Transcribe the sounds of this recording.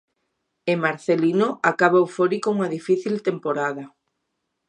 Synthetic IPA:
emaɾθelinoakaβawfoɾikouŋaðifiθilt̪empoɾaðɐ

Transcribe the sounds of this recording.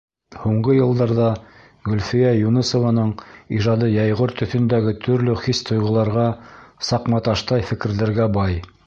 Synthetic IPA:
huɴɢɤjɤ̆lˠd̪ɑɾðɑ | ɡɵ̆lfijæjunɤsŏvɑnɤɴiʒɑd̪ɤjɑjʁoɾt̪ɵ̆θɵ̆nd̪æɡɘt̪ʰɵ̆ɾlɵχist̪ŏjʁɤ̆lˠɑɾʁɑsɑqmɑt̪ɑʃt̪ɑjfɘ̆kɘ̆ɾðɘ̆ɾɡæbɑj

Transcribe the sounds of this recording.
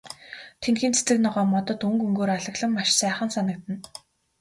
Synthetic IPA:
t̪ʰenxiːnt͡sʰe̥t͡sɘ̆knɔʁɔːmɔt̪ɞ̆t̪ɵŋkɵŋɡoːɾaɮə̆ɣɮə̆mːaʃsæːχə̆nsanə̆k̚t̪ɘ̆n

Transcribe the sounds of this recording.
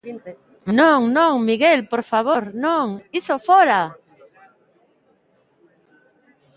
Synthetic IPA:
nõŋnõŋmiɣelpoɾfaβ̞oɾnõŋisofoɾa

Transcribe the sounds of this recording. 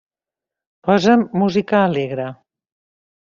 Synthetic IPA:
pɔzəmːuzikəːleɣɾə

